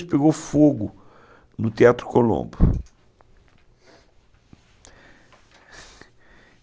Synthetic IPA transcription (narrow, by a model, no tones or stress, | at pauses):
ʃpeɡowfoɡʊ | nʊt̪eat̪ɾʊ̥kolõ̰mbʊ